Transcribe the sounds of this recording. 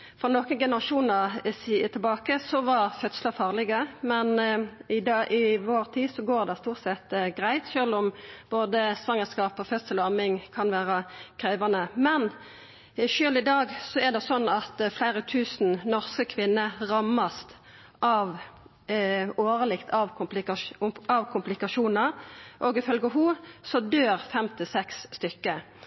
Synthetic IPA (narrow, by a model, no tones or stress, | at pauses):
fɔnoːkənɡɛnəʁɑʃuːnəʁst̪ʰɪlbɑːkəsɔʋɑʁfœt̪sləfɑːʁlɪɡəmɛnɪd̪ʔɪʋoːʁt̪ʰiːsɔɡoːʁd̪ɛst̪uːʁt̪sɛt̪ɡʁæɪt̪ʃøːlɔmb̥oːd̪əsʋɑŋːəskɑːpɔfœt̪səlɑmɪŋkʰɑnʋæːʁəkʰʁeːʋɑnəmɛn | ʃøːlɪd̪ɑːɡsɔɛd̪ɛsɔnːɑt̪flæɪʁət̪ʰʉːsn̩nɔʁskəkʰʋɪnːəʁɑmːɑst̪ | ʔɑʋ | oːʁəlɪkt̪ʰɑʋplɪɑʋkʰʊmplɪkɑʃuːnɑʁʔɔːɡɪfœlɡəɦuːsɔd̪øːʁfɛmt̪ʰɪsɛksːt̪ʏkːə